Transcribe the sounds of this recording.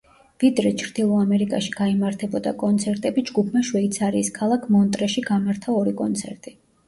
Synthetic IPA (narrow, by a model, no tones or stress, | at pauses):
vid̪ɾɛt͡ʃʰɾd̪ilˠɔamɛɾikʼaʃiɡ̥aimaɾt̪ʰɛbɔd̪a̰kʼɔnt̪sʰɛɾt̪ʼɛbid͡ʒɡupʰmaʃwɛit̪sʰaɾiːskʰalˠakʰmɔnt̪ʼɾɛʃiɡamaɾt̪ʰaɔɾikʼɔnt̪sʰɛ̰ɾt̪ʼi